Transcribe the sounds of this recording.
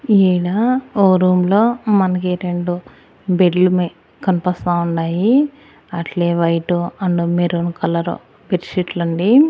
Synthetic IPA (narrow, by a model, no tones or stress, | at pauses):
iːɽaːoːɾuːmlo̞ːmɐnɐkiɾe̞ɳɖu | beɖlumi | kɐnipɐst̪aːuɳɖaːji | ɐʈleːʋɐjʈuɐɳɖumeɾonkɐlɐɾṵ | beɾsiʈlɐɳɖi